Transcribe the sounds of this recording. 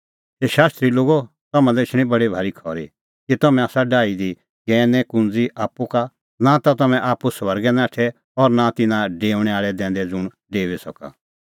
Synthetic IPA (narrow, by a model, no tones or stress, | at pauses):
teʃaːst̪ɾiloːɡo | t̪ɐmãdɛɪt͡ʃʰɽ̃ĩbɐɽibʱaːɾikʰɔːɾi | kit̪ɐmɛ̃aːsaɖaːid̪i | ɡɛːnɛkʊ̃nd͡ziʔaːpːuka | nat̪at̪ɐmɛ̃ʔaːpusʋɐɾɡɛnãːʈʰɛ | ɔɾnat̪ɪnãɖeːʊ̃ɽ̃ɛaːɭɛd̪ɛ̃ːnd̪ɛd͡zʊɽ̃ | ɖeːʋɛsɐka̰